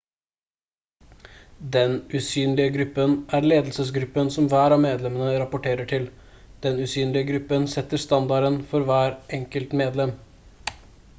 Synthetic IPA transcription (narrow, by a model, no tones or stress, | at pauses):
d̪ɛnʉsyːnlɪəɡɾʉpːənʔæɾleːd̪lsəsɡɾʉpːənsɔmʋæːɾɑːmeːd̪lɛmənəɾɑpʊʈʰeːɾəʈʰɪl | d̪̥ɛnʉsyːnlɪəɡɾʉpːənsɛt̪ːəst̪ɑnd̪ɑɾənfɔɾʋæːɾʔɛŋkəlt̪meːd̪lɛm